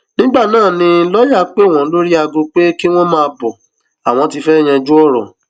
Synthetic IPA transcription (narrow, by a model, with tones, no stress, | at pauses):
nĩ˦ɡ͡ba˦˨nãː˦˨nĩ˧˦lɔ˦ja˦˨k͡pe˦˨w̃ɔ̃˨˦lo˦ɾi˦a˧ɡõ˧k͡pe˦ki˦w̃ɔ̃˦mãː˦˧bɔ˨ | a˨w̃ɔ̃˧ti˧fɛ˦˨j̃ɛ̃˧d͡ʒu˦ɔ˦˨ɾɔ̰˨